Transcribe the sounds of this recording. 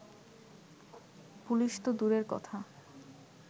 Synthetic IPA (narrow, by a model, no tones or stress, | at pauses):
puliʃt̪od̪uɾeɾkɔ̰t̪ʰa